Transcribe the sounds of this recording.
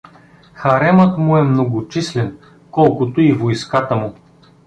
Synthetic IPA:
xɐɾɛmət̪mʊɛmnoɡot͡ʃislɛn | kɔlˠkot̪oivojskat̪əmʊ

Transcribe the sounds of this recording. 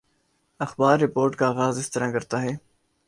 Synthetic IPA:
ɐxbaːɾːɪpoːɾʈkaːɣaːzɪst̪əɾãːkɐɾt̪aːɦɛː

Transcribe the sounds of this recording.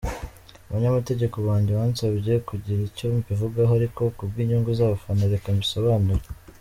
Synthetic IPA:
aβaɲamate̞ɟe̞koβaːɲɟeβaːnsaβje̞kuɟiɾicuɾuːmbivuɡaɦoaɾiko̞kubɡiːɲuːŋɡuzaːβafanoɾekambiso̞βaːnuɾe

